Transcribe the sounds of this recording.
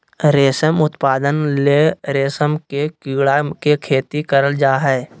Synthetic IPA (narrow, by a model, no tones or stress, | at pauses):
ɾeːsəmʊt̪paːd̪ənleɾeːsəmkekiːɽakekʰeːt̪ikəɾəld͡ʒaːɦɛː